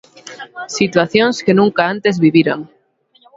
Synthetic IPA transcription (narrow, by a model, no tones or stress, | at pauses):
sit̪waθjonskenũŋkaant̪e̞zβiβiɾaŋ